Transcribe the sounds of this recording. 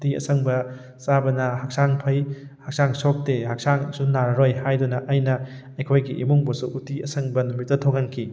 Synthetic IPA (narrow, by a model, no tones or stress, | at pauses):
tiɐ̰sɐŋbɐ | sabɐnɐhɐk̚saŋpʰɐjhɐk̚saŋsok̚tehɐk̚saŋsunaɾɐɾojhajdunɐʔːjnɐ | ɐjkʰojɡiʔḭmuŋbɐsuʔutiɐsɐŋbɐnumit̚tːɐtʰoŋɐnkʰi